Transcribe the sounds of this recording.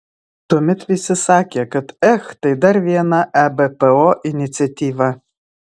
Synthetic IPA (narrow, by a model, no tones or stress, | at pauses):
t̪omʲɪt̪ʋʲisʲɪsɑːkʲɛkɐt̪ɛxt̪ɐɪd̪ɐɾʋʲiɛnɐʔɛbɛpɛoʔɪnʲɪt̪sʲɪɐt̪ʲiːʋɐ